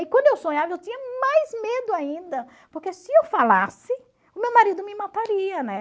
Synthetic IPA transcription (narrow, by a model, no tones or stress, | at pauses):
ɪkwɐ̃d̪ʊewsõɲavɐewt̪ĩɲɐmajzmed̪ʊaĩnd̪ɐ | poɾkesɪewfala̰sɪ | ʊmewmaɾid̪ʊmɪmat̪aɾiɐnɛ